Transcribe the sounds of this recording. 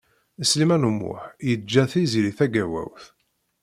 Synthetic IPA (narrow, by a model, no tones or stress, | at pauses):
əslimænumːʊ̰ħjəd͡ʒːæθiziɾiθæɡæwæ̰wθ